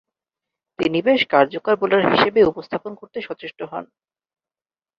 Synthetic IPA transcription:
t̪inibeʃkaɾd͡ʑokaɾbolaɾɦiʃebeupost̪ʰaponkoɾt̪eʃɔt͡ɕeʃʈoɦɔ̰n

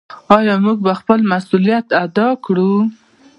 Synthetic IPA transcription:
ɑjɑmuɡ̚baxpəlmasulijat̪ad̪ɑkɽu

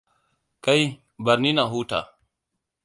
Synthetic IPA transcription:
kɐi | bɐɾniːnaːɦuːʈʰa̰ː

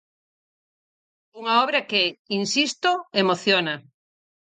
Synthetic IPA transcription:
uŋaɔβɾakeinsist̪oemoθjona

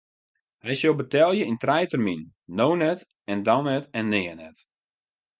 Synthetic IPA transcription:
hɛjsolˠbətɛlˠjəintrɛjtərminː | oːnɛt | ɛndanɛtɛnːɪːənɛt

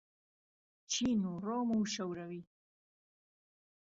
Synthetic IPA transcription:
t͡ʃinuɾɔːmuʃawɾawi

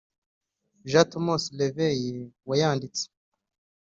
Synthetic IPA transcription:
ʒatomoslevejewajaːndit͡se̥

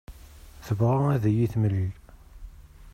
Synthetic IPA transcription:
θəvʁaæðæjiθməlːil

